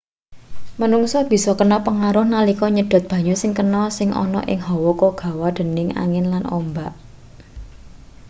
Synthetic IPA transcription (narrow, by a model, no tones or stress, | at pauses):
mənuŋsɔb̥i̤sɔkənɔpəŋaɾʊhnalikɔɲəɖ̪̥ɔ̤t̪̚b̥ä̤ɲusɪŋkənɔsɪŋʔɔ̰nɔ̰ʔɪ̰ŋɦɔwɔkoɡ̥ä̤wad̪̥ə̤nɪŋa̰ŋɪnlanɔ̰mbaʔ